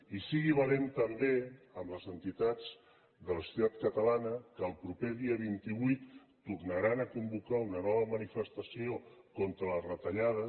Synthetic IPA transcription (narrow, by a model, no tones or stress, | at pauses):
isiɣiβ̞əlent̪əmbeəmləzənt̪it̪ad͡z | ðələsuut̪at̪kət̪əlanəkəːlˠpɾupeðiəβ̞int̪iβujt̪ː | urnəɾanəkumbukaunənɔβ̞əmənifəst̪əsiokont̪ɾələrət̪əʎaðə